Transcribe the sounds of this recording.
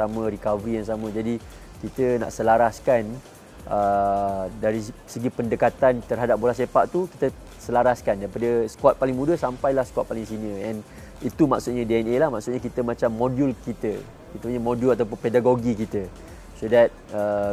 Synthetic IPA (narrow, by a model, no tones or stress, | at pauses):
samə̃ɾikavəɾijaŋs̬amə̃d͡ʒadi | kit̪əna̰ʔsəlaɾaskan | ə | daɾisəɡipəndəkat̪ant̪ərɦadap̚buɾasepaʔt̪uki̥t̪ə | səlaɾaskandajipadəsə̥kat̪̚palɪŋmũdəsampajlahskwat̪̚palɪŋsiniəɛ̃n | it̪umaksut̪̚ɲə̃diɛnelahmãksut̪̚ɲək̬it̪əmãt͡ʃamːodulkit̪ə | kit̪əmaɲamodjulat̪awp̬ʊnpedaɡoɡikit̪ə | sodɛt̚ə